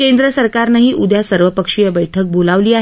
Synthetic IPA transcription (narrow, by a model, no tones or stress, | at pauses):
kend̪ɾəsəɾkaɾnaɦiːʔud̪ʱjasəɾʋəpəkʂiːjəbəjʈʰək̚bolaʋliːaɦ